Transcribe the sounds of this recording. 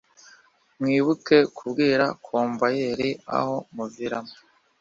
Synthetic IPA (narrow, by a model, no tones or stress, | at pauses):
mŋiːβuke̞kʰubɡiːɾakʰoːmvajeɾia̰ho̞muviɾa̰mo